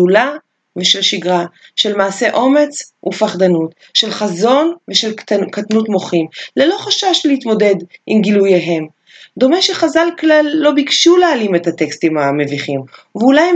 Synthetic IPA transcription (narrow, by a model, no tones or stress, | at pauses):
ula | veʃelʃiɡʁaʃe̞lmaːse̞ʔo̞me̞t͡sṵfaχd̪anut | ʃe̞lχazo̞nveʃe̞lkatnutmoχimlelo̞χaʃaʃleit̪mo̞de̞dʔimɡilujaɦe̞m | d̪o̞meʃeχazalklalːobikʃulealimethat̪e̞kstimame̞viχimveulaj